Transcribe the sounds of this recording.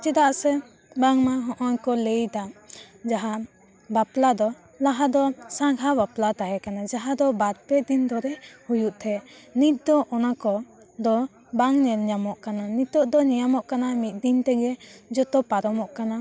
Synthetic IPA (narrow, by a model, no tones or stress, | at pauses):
t͡ʃɛd̪aʔsɛ | baŋmaɦɔʔɔnkɔlejd̪a | d͡ʒaɦaʔ | baplad̪ɔ | laɦad̪ɔsaŋɡʱabaplat̪aɦɛkanad͡ʒaɦad̪ɔbaɾpɛd̪ind̪ɔɾɛhujuʔt̪ʰɛʔnit̪̚ˀd̪ɔʔɔnakɔ | d̪ɔ | baŋɲɛlɲamɔʔkananit̪ɔʔd̪ɔɲijamɔʔkanamit̪̚ˀd̪int̪ɛɡɛd͡ʒɔt̪ɔpaɾɔmɔʔkana